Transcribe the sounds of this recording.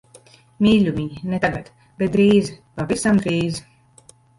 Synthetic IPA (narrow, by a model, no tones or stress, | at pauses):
mʲiːlʲumʲiɲnet̪aɡat̪ | b̥ɛt̪̚d̪ɾiːzpavisamd̪ɾiːz